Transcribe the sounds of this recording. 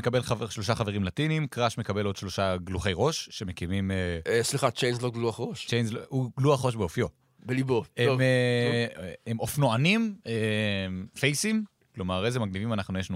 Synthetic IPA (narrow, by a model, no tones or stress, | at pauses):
ekabe̞laʃlo̞ʃaχaveʁimlatinimkʁaʃmekabe̞lo̞d̥ʃlo̞ʃaɡluχe̞jʁo̞ʃːemekimimeʃliχat͡ʃejnzloɡluaχʁoʃt͡ʃejnzlouɡluaχʁo̞ʃbeofjo̞ | beliboevme | emofnoanimemfejsim | klo̞maʁezemaɡnivimanaχnujeʃnu